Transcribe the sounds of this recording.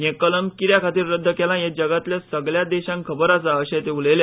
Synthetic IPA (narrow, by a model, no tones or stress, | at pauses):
jẽkələmkiɾjakʰat̪iːɾːəd̪ʱːəkelãjed͡ʑəɡat̪ljasəɡɭjad̪ɛɕãŋkʰəbəɾasaəɕet̪euləjle